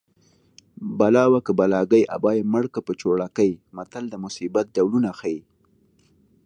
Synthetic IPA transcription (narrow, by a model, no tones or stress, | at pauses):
balɑwakəbalɑɡəjʔa̰bɑjeməɽkapət͡ʃoɽakəjmat̪ald̪əmʊsibat̪̚d̪awlunaxai